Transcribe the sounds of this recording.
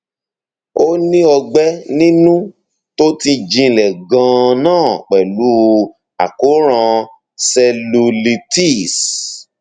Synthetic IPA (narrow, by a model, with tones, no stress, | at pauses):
o˦nĩ˦ɔ˧ɡ͡bɛ˦nĩ˦nũ˦ | to˦ti˧d͡ʒĩ˧˨lɛ˨ɡã˧nãː˦˨k͡pɛ˨lu˨˦˧ | a˨ko˨˦ɾ̃ã˧ | sɛ˧lu˧li˧ti˦˨s